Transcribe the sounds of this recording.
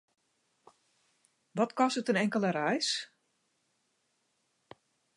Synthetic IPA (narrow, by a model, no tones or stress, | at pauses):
ʋɔtkɔsətənɛŋkələɾɛjs